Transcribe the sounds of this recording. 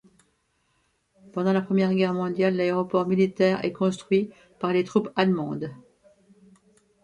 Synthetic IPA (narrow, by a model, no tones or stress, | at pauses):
pɑ̃d̪ɑ̃lapχəmjɛʁɡʲɛʁmɔ̃d̪jalːaeʁɔpɔʁmilit̪ɛʁɛ̰kɔ̃st̪χɥi | paʁlet̪χupalmɑ̃d̪